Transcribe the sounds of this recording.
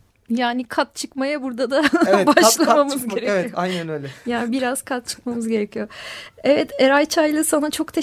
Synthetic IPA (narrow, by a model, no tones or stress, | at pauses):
jaːnikʰat̪̚t͡ʃʰɯkmajabuɾd̪ad̪aɛbaʃlˠamamɯzɡe̞ɾeajnænøjlʲɛjaːnibiɾaz̥kʰat̪̚t͡ʃʰɯ̥kmamɯzɟe̞ɾɛcʰijo̞ɛvɛt̪ʰeɾajt͡ʃʰajlˠɯsanat͡ʃʰo̞kt̪ʰe